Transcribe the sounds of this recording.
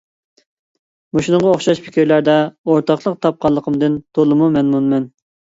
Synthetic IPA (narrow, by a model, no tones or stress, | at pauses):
moʃunəŋʁɑoχʃɑʃpʰɪ̥kʲiɾlæɾd̪ɛoɾt̪ɑχlˠəq̚t̪ʰɑp̚qʰɑlˠːəqʰəmd̪ɨnt̪ʰolˠɨmumɛnmunmɛn